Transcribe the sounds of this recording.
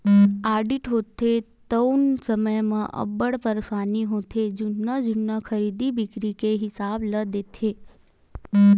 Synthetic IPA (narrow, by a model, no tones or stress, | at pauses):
aɖiʈɦot̪ʰːe | t̪əwnsəməjmã̰ʔə̰bəɽpəɾsaniɦõt̪ʰed͡ʒunːəd͡ʒunːəkʰəɾid̪ibikɾikeɦɪsabləd̪et̪ʰe